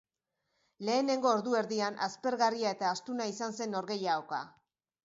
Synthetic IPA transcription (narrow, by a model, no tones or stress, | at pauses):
le̞ːne̞ŋɡo̞ːɾðue̞ɾðianʔaspe̞ɾɣariae̞t̪aːst̪unaisanse̞no̞ɾɣe̞jaoka